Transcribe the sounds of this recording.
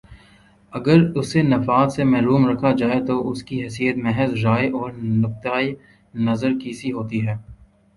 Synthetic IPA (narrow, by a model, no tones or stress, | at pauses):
ɐɡəɾʊsenɐfaːt̪semɛɦɾuːmɾɐkʰad͡ʒaːet̪oʔʊskiɦɛːsijət̪mɛɦəzɾaːeʔɔːɾnʊq̚t̪aːi | nɐzəɾkiːsiɦoːt̪iɦɛː